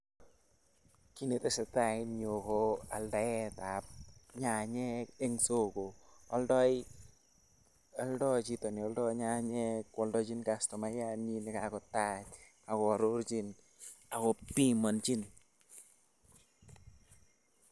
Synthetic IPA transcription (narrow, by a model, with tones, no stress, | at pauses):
ki˨ne˨tɛsɛ˨ta˨inɲo˨koa˨lda˨ɛ˦tap̚ɲa˨ɲɛ˦ke˦ŋso˦ko˨ɔ˦ldɔ˦j | ɔ˦ldɔt͡ʃi˦tɔ˨ni˨ɔldɔɲa˦ɲɛ˦kwɔldɔt͡ʃi˦nkastɔ˨ma˦jaɲinɛ˨kakɔ˨tat͡ʃ | a˨kɔ˨ɾoɾt͡ʃi˦n | a˨kɔpi˦ma˨nt͡ʃi˦n